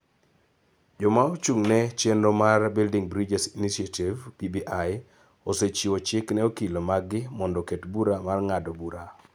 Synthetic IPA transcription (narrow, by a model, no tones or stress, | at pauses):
d͡ʒɔmaot͡ʃuŋnɛt͡ʃendomarbildiŋbɾid͡ʒɛsinisiativpibiʔaj | oset͡ʃiot͡ʃɪknɛokilomaɡɪmɔndɔketbuɾamarŋadɔbuɾa